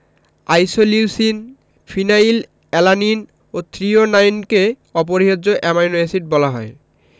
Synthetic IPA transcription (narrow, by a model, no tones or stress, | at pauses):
ajsoliusin | fʰinajil | ɛlanin | ot̪ʰɾionajnke | ɔp̬oɾiɦod͡ʑoʔemajnoesiʈ̚bɔlaɦɔ̰e